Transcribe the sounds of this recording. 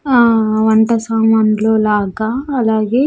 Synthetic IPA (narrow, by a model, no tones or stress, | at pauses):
aːʋɐɳʈɐsaːmɐnloːlaːɡaːlaːɡe̞ː